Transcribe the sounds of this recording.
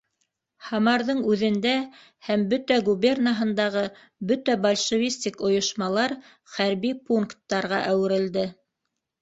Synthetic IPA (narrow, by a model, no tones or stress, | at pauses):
hɑmɑɾðɤɴʉðɘ̆nd̪æ | hæmbɵt̪æɡuβʲernaɦɤ̆nd̪ɑʁɤ | bɵt̪æbɐlʲʃɤ̆vʲisʲt̪ʲikŏjŏʃmɑlˠɑɾ | χæɾβipuŋkt̪ːɑɾʁɑʔæwɘ̆ɾɘ̆ld̪ɘ